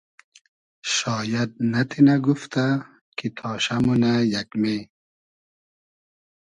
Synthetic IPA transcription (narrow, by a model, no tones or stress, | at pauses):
ʃɔːjad̪̚nat̪ʰinaɡuft̪a | kʰit̪ʰɔːʃamunajakme